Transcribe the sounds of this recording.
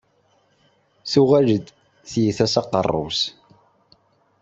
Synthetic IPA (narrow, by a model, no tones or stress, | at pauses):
θuʁæʒəd̪ | θjiθæsɑqːə̰rˤːʊ̰s